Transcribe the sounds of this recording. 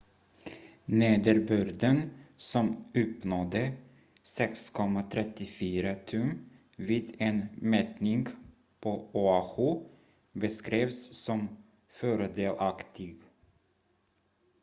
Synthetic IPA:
neːd̪əɾbʉɾd̪ənsɔmɵpnɔd̪ə | sɛkskʰɔmːat̪ʰɾɛt̪ːɪfyːɾat̪ʰɵm | viːd̪enmɛt̪nɪŋɡ | pʰɔʊaxʊ | bəskɾeːvsːɔm | fœːɾəd̪eːlʔakt̪ɪɡ

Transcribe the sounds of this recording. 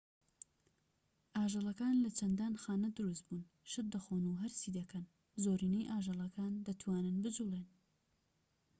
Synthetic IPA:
ʔaːʒɐlˠɐkaːnlɐt͡ʃʰɐnd̪aːnxaːnɐd̪ɨɾust̪buːn | ʃɨɾd̪ɐxoːnuɦɐɾsiːd̪ɐkʰɐn | zoːɾiːnejʔaːʒɑlˠɐkʰaːnd̪ɐt̪ʰwaːnɨnbɨd͡ʒulˠeːn

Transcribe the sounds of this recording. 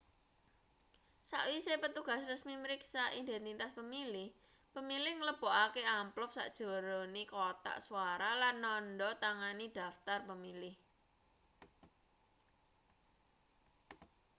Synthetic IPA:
saʔwisepət̪uɡ̥a̤srəsmiməɾiksaʔid̪ɛnt̪it̪aspəmilɪh | pəmilɪhŋələb̥oʔakeamplʊp̚sa̰ʔd̥ʒ̥o̤ɾonikot̪a̰ʔsuwaɾalanːɔnɖɔt̪aŋanid̥a̤ft̪arpəmilɪh

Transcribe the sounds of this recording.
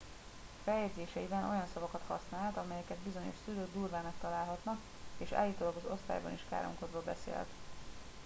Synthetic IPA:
fɛjɛd̪zeːʃɛibɛnʔo̞̰jɒnsɒvɒkɒt̪hɒ̰snaːlt̪ɒmɛjɛkɛd̪bizo̞ɲo̞̰ʃsyløːɡd̪uːrvaːmɛkt̪ɒlaːlɦɒt̪nɒk | eːʃa̰ːlːiːt̪olɒɡɒzo̞st̪a̰ːjbɒ̰niʃka̰ːɾo̰ŋko̞d̪bɒbɛ̰sḛːlt̪

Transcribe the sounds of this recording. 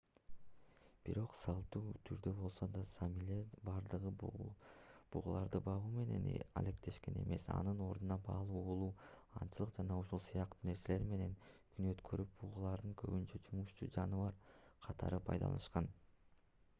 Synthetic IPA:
b̥iɾo̞qsɑlˠt̪uːt̪ʰyɾd̪øbo̞lˠso̞d̪ɑsmebɑɾd̪ɯʁɯ | b̥uʁulˠɑɾd̪ɯbɑʁuːme̞ne̞̰n̰ɑ̰le̞kt̪ʰe̞ʃke̞ne̞̰me̞sɑ̰nɯno̞ɾd̪unɑbɑlˠuːolˠuː | ɑnt͡ʃɯlˠɯqd͡ʒɑnɑuʃulˠsɯjɑq̚t̪uːne̞ɾse̞le̞ɾme̞ne̞ŋkʰynø̞t̪kʰø̞ɾʔyp̚buʁulˠɑɾd̪ɯŋkʰø̞̰βynt͡ʃød͡ʒumuʃt͡ʃṵːd͡ʒɑnɯβɑɾqʰɑt̪ʰɑ̰ɾɯpʰɑjd̪ɑ̰lˠɑ̰nɯʃqɑn

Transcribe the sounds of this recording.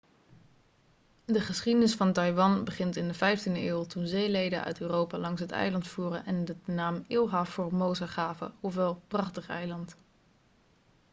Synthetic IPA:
dəχəsχidənɪsfɑntɑjʋɑnbəχɪntɪndəvɛjftindəɪːlˠtunzejlejdənʔœ̰ɥtøːrowpaːlɑŋsɦətɛ̰jlɑntfuːrənʔɛndənaːmɪlˠɦaːfʊːɹmowzaχaːvə̰ɔfʋɛlˠprɑχtəχɛ̰jlɑnt

